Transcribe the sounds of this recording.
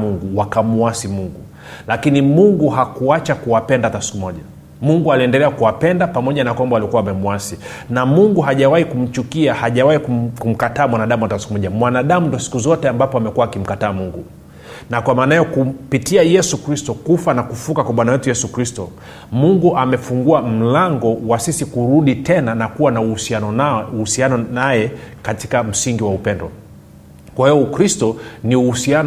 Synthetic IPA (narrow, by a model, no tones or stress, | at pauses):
muŋɡuwakamuasimuŋɡu | lakinimuŋɡuɦakuat͡ʃakuwapɛndatasi̥kumɔʄa | muŋɡualiɛndɛlɛakuwapɛndapamɔʄanakwambalikuwaːmɛmuasi | namuŋɡuɦaʄawahikum̩t͡ʃukiahaʄawaikukum̩kataːmwanaɗamuwatasi̥kumɔʄamwanaɗamundiɔsi̥kuzɔtɛambapɔamɛkuwaːkim̩kataːmuŋɡu | nakwamaːnaɛjɔkupitiajɛsukɾistɔkufanakufukakwaɓwanawɛtujɛsukɾistɔ̰ | muŋɡuʔamɛfuŋɡuam̩laŋɡɔwasisikuɾuɗitɛnanakuwanausianɔauhusianɔnajɛkati̥kam̩siŋɡiwaupɛndɔ̰ | kwahiɔkɾistɔniuhusian